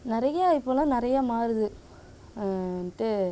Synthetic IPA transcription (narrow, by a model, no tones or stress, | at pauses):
nɪɾɐjɐɐɪpːɯlɐ̃nɪɾɐjɐmaːɾɯðɯ | nʈːɯ